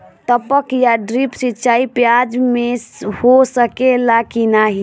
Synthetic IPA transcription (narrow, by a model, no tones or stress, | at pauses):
t̪əpəkjaɖɾipsitːt͡ʃaipjad͡ʒmehosəkelakinaɦi